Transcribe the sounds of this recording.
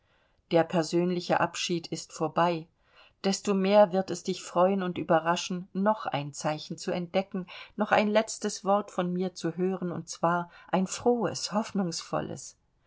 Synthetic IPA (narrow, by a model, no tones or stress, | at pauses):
d̥eːɐpʰɛɐzøːnlɪçəʔapʃiːtʰɪstfoːɐbaɪ | d̥ɛstoːmeːɐvɪɐtɛsd̥ɪçfʁ̥ɔʏənʊntʔyːbɐʁaʃn̩nɔχʔa̰ɪnt͡saɪçn̩t͡suɛnt̚d̥ɛkŋ̩nɔχa̰ɪnlɛt͡stəsv̥ɔɐtfɔnmiːɐt͡suɦøːʁənʊ̰nt̚t͡sv̥aːɐʔaɪnfʁ̥oːə̰shɔfnʊŋsfɔ̰lə̰s